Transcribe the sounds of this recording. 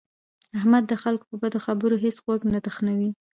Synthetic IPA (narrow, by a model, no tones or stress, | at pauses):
ahmad̪ːəxalko̥pəbad̪oxabəɾoɦesɣwaɡnad̪əxnawi